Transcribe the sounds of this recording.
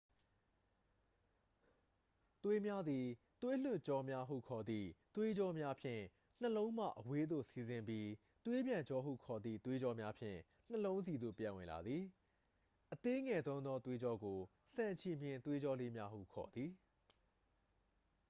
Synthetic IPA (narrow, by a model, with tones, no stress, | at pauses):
t̪we˦mja˦d̪i˨ | t̪we˦l̥ʊ˦ʔt͡ɕɔ˦mja˦ɦṵ˦˨kʰɔ˨d̪ðḭ˦˨t̪we˦d͡ʑɔ˦mja˦pʰjɪ̰̃˦˨ | n̥əlõ˦ʊ̃m̥ä̰˦˨ʔəwe˦d̪o̰˦˨si˨zɪ̃˨mpji˦ | t̪we˦bjã˨ɲt͡ɕɔ˦ɦṵ˦˨kʰɔ˨d̪ðḭ˦˨t̪we˦d͡ʑɔ˦mja˦pʰjɪ̰̃˦˨ | n̥əlõ˦ʊ̃nzi˨d̪o̰˦˨pjã̰˨wɪ̰̃˨la̰˨d̪ði˨ | ʔət̪e˦ŋɛ˨zõ˦ʊ̃nɔ˦t̪we˦d͡ʑɔ˦ɡo˨ | sã˨ɲt͡ɕʰi˨m̥jɪ̃˨nt̪we˦d͡ʑɔ˦le˦mja˦ɦṵ˦˨kʰɔ̰˨d̪ði˨